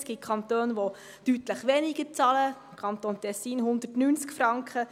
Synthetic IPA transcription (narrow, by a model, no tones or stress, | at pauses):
sɡ̥it̚kʰɑnt̪øːnʋo | tytləχʋɛniɡ̥əɾt͡sɑlə | kʰɑnt̪oːnt̪ɛsːiːnɦʊnd̪ətnyːnt͡skfɾɑŋkχə